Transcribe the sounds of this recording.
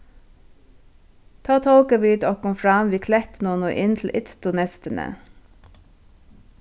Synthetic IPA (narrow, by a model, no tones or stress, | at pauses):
t̪ʰɑːt̪ʰɔlkəʋiːd̪ɔkʰɔmfɹɑmʋiːkʰlɛt̪nɔːnoʔɪnt̪ʰl̩ʔɪt̪st̪ʊnɛst̪ənə̰